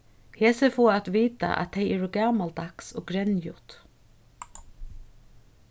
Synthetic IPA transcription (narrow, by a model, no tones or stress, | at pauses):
heːsəfoːat̪ʋiːt̪a̰ʔæ̰t̪ʰːeɪɛːɹʊɡaːmalt̪̚aksɔ̰ːɡɾɛnjʊt̪